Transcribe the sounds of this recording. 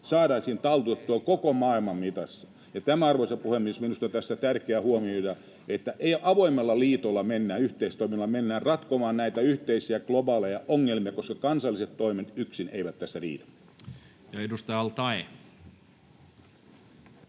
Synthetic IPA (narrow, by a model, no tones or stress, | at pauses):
sɑːɾɑːsiːnt̪ɑlt̪uet̪t̪uolkokomɑːilmɑmmit̪ɑsːɑ̥ | jɑt̪æmæɑrʋoisepuhemːisminust̪ot̪æsːæt̪ærkeæhuomiojɑ | et̪ːæʔeiʔɑʋoimːelːɑliːt̪olːɑmenːæːyht̪eist̪oiminɑlːɑmenːæːrrɑt̪komɑːnnæit̪æyht̪eisiæklobɑːlejɑʔoŋːelmiɑkoskɑkɑnsɑlːiset̪t̪ːoimet̪yksineiʋæt̪t̪æsːærḭːt̪æ̥ | jɑedust̪ɑjɑlt̪ɑe